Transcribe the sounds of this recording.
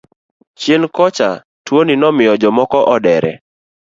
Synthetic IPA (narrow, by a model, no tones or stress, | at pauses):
t͡ʃjenkɔt͡ʃa | twoninɔmɪjɔd͡ʒɔmɔkɔʔɔdɛɾɛ̰